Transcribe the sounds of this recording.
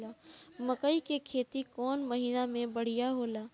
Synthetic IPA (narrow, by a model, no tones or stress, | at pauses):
laːməkəikekʰeːt̪ikɔːnmɐɦiːnamẽbɐɽ̤ijaɦoːlaː